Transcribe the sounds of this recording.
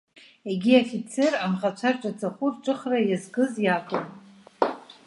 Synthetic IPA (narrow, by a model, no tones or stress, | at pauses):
eɡʲiafit͡sʰeramχat͡ʃʷʰarʈ͡ʂʼat͡sʰʼaχʷʊrʈ͡ʂʼɨχrajazɡɨzjakʼɨn